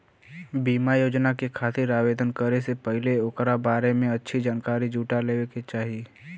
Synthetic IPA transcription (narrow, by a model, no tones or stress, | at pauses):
biːmajoːd͡ʒnakekʰaːsiɾaːʋeːd̪ʱənkəɾesepəɦɪleoːkɾabaːɾemẽɐtːʃʰid͡ʒaːnkaːɾid͡ʒuːʈaleːʋeket͡ʃaːɦieː